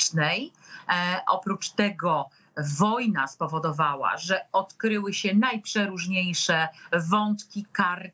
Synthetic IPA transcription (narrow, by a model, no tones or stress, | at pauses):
nɛj | ʔɔ̰pɾut͡ʂt̪ɛɡɔ | vɔjnaspɔvɔd̪ɔvawa̰ʐɛɔt̪kɾɘwɘɕɛnajpʂɛɾuʐɲejʂɛvɔnt̪kʲikaɾ